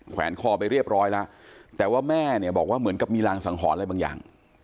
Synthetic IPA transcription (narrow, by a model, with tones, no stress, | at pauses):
kʰwɛ̰ː˩˦nkʰɔː˧˩pa˧jɾi˥˩əp̚ɾɔː˦˥jla˦˥ʔt̪ɛː˨˩waː˥˩mɛː˥˩ni˧˩əbɔː˨˩k̚waː˥˩mɯ˩˦ənka˨˩p̚miː˧laː˧ŋsa˩˦ŋɦʰɔː˩˦nla˧jbaː˧ŋja̰ː˨˩ŋ